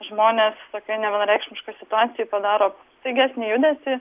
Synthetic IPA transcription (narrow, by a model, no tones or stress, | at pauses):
ʒmoːnʲeːst̪oːkʲɛnʲɛʋʲɛnɾʲɛɪkʃʲmʲɪʃkoːsʲɪt̪ʊɑːt̪t͡s̪ʲɪjʊːpɐd̪ɑːɾoː | sɐɪɡʲæːsʲnʲɪːjʊd̪ʲɛsʲɪ